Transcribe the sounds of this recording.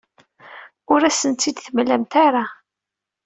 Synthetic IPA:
ʊɾæsənt̪ːid̪θəmlːæmt̪aɾa

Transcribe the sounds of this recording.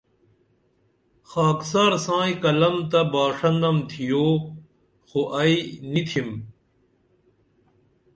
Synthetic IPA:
xaːksaːɾsãːikɐlɐmt̪ɐbaːʂɐnd̪ɐmt̪ʰijoː | xoʔɐinit̪ʰim

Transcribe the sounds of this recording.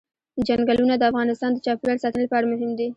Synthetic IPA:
d͡ʒaŋɡalunad̪əafɣɑnɪst̪ɑnd̪ət͡ʃɑpiwaɽsɑt̪ələpəɑɽamʊɦɪmd̪i

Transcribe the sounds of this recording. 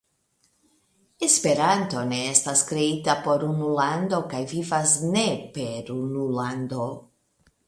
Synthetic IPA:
espe̞ɾanto̞ne̞estaskɾe̞itapo̞ɾunulando̞kajvivasne̞pe̞ɾunulando̞

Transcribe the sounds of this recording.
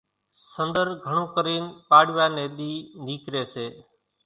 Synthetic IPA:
sənd̪əɾɡʱəɳ̃ũːkəɾiːnpaːɽʋaːneːɗ̪iːniːkɾeːseː

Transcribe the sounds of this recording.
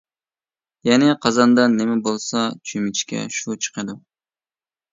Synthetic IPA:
jɛnɪqʰɑzɑnd̪ɑnɪmɛbolˠsɑt͡ʃʰymɪt͡ʃkʲɛ̰ʃut͡ʃʰə̥qʰəd̪u

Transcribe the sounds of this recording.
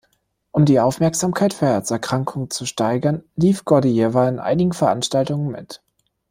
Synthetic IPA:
ʔʊmdiːʔaʊfmɛɐkz̥aːmkʰaɪtfyːɐɛɐsɛɐkʁ̥aŋkʰʊŋt͡suʃtaɪɡɐnliːfɡ̥ɔdijɛvaɪnʔa̰ɪnɪɡŋ̩fɛɐʔanʃtaltʊŋənmɪ̰t

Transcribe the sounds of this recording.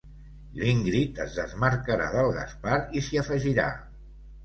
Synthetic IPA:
liŋɡɾit̪əzðəzməɾkəɾa̰ðəlˠɣa̰spaɾisiəfəʒiɾa̰

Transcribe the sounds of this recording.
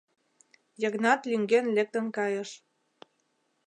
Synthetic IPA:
jəɣnɑt̪lyŋɡenlek̚t̪ə̆nkɑjə̆ʃ

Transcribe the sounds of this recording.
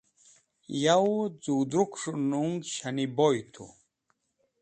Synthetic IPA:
jɐwd͡zuːd̪ɾukʂunuŋɡɕɐnibojt̪ʰṵ

